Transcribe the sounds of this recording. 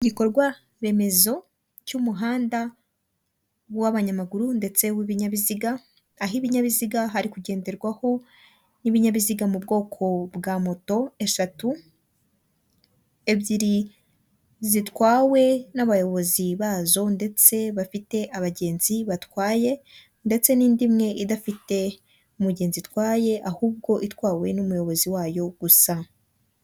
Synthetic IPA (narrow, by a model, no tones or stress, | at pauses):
ɟiko̞ɾɡwa | ɾe̞me̞zo̞ | cumuɦaːnda | waβaɲamaɡuɾunde̞t͡se̞wiβiɲaβiziɡaː | ɦiβiɲaβiziɡaɦaɾikuɟe̞ːnde̞ɾɡwaho̞ | niβiɲaβiziɡamubɡo̞ːkʰo̞bɡaːmo̞to̞e̞ʃatu | e̞bɟiɾi | zitwaːwe̞naβajo̞βo̞ziβaːzo̞nde̞t͡se̞βafite̞ʔaβaɟe̞ːnziβatwaːje̞ | nde̞t͡se̞niːndimŋe̞ʔidafite̞ | umuɟe̞ːnzitwaːje̞ʔahuːb̚ɡo̞ʔitwaːwe̞numujo̞βo̞ziwaːjo̞ɡ̥usa